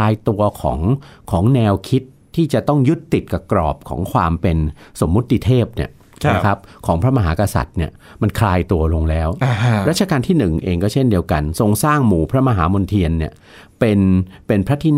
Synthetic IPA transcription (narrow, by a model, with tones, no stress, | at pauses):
aː˧jt̪u˧ɐkʰɔ̰ː˩˦ŋkʰɔː˩˦ŋnɛː˧wkʰi˦˥t̪ʰːiː˥˩t͡ɕa˨˩t̪ɔ˥˩ŋju˦˥t̪ːi˨˩t̪̚ka˨˩kɾɔ̰ː˨˩p̚kʰɔ̰ː˩˦ŋkʰwaː˧mpe˧nso˩˦mːu˦˥t̪ːi˧t̪ʰeː˥˩p̚ni˥˩ɐ | na˦kʰa˦˥p̚kʰɔː˩˦ŋpʰɾa˦˥ma˧ɦaː˩˦˥ka˧sa̰˨˩t̪̚ni˥˩ɐ | ma˧nkʰlaː˧jt̪u˧ɐlo˧ŋlɛː˦˥wɾa˦˥t̪̚t͡ɕa˧kaː˧nt̪ʰiː˥˩nɯ˨˩ŋʔeː˧ŋkɔː˥˩t͡ɕʰe˥˩ndi˧əwka˧nso˧ŋsaː˥˩ŋmuː˨˩pʰɾa˦˥ma˧ɦaː˩˦mo˧nt̪ʰi˧ənːi˥˩ɐ | pe˧npe˧npʰɾa˦˥t̪ʰiː˦˧˥n